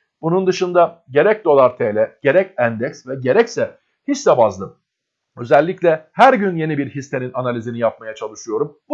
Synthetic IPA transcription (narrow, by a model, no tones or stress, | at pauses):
bunund̪ɯʃɯnd̪aɟe̞ɾɛc̚d̪o̞lˠaɾt̪ʰeːlʲɛɟ̥e̞ɾɛcænd̪ɛcsvɛɟe̞ɾɛcsɛ | hit͡ʃsɛbazlˠɯm | ø̞zɛlʲːiclʲɛhæɾɟynje̞nibiɾhist̪e̞ninanalʲizinijap̚majat͡ʃʰalˠɯʃɯjo̞ɾum